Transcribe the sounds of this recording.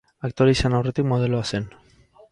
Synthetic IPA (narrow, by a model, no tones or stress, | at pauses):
akt̪oɾeisanawre̞t̪ikmo̞ð̞e̞loase̞n